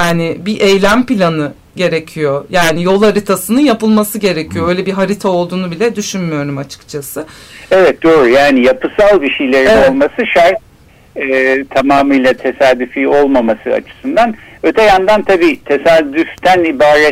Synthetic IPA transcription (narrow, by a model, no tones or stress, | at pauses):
jaːnɪbiʔejlʲæmpilʲanɯ | ɟe̞ɾecʰijo̞jaːnijo̞lˠaɾit̪ʰasɯnɯnjapɯlˠmasɯɟe̞ɾecʰijo̞ø̞jlʲɛbiɦaɾit̪ʰao̞lˠd̪uːnubilʲɛd̪yʃynmyjo̞ɾumat͡ʃʰɯ̥kt͡ʃʰasɯevɛt̪̚d̪o̞ːɾujaːnijapʰɯsalˠbiʃejlʲeɾino̞lˠmasɯʃaɾ | ɛt̪ʰamaːmɯjlˠat̪ʰe̞saːd̪yfio̞lˠmamasɯa̰t͡ʃʰɯ̥sɯnd̪anø̞t̪ʰɛjand̪ant̪ʰabiːt̪ʰe̞saːd̪yft̪ænibaːɾɛ